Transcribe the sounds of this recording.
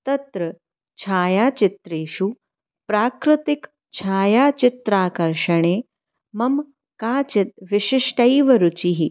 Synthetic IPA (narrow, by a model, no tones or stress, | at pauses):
t̪ɐt̪ɾɐ | t͡ʃʰaːjaːt͡ʃɪt̪ɾeːʃu | pɾaːkɾɪt̪ɪk | t͡ʃʰaːjaːt͡ʃɪt̪ɾaːkɐɾʃɐɳ̃eː | mɐm | kaːt͡ʃɪt̪̚ʋɪʃɪʂʈɐiʋɐɾut͡ʃiɦi